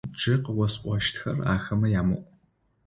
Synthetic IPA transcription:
d͡ʒʼɪqəwɔsʔʷɔʃtʰxɐra̰ːxɐmɐjaːmɨ̰ʔʷʼ

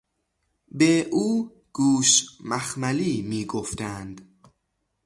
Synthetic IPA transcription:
beʔuː | ɡ̥uːʃmæxmæliːmiːɡoft̪ʰænd̪

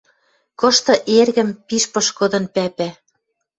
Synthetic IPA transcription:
kɤ̆ʃt̪ɤ̆ʔerɣɘ̆mpiʃpɤ̆ʃkod̪ɤ̆npæpæ

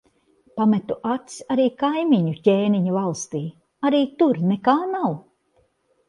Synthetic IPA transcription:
pamɛt̪uʔat̪saɾiːkajmiɲucʲeːniɲavalˠst̪iː | aɾiːt̪uɾnɛkaːnaw

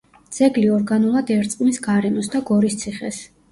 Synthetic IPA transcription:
d̪z̥ɛɡliɔɾɡanulˠad̪ɛɾt̪sʼqʼmisɡaɾɛmɔsd̪aɡɔɾist̪sʰiχɛ̰s

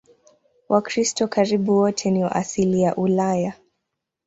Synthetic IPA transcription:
wʔakɾistɔkaɾiɓuwɔtʰɛniɔ̰ʔasilijaʔulaja

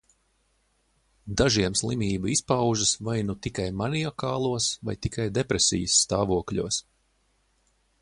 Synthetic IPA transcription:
d̪aʒiɛmslˠimʲiːbɐispawʒɨsvajnut̪ikajmanʲijɔkaːlˠuɔsva̰jt̪ikajd̪epɾesʲḭjsːt̪aːvuɔkʎʲṵɔs

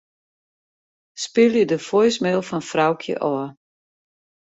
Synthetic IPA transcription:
spɪlˠjədəfojsmɛlˠfɔnfrawkʰjə̰ʔɔɐ

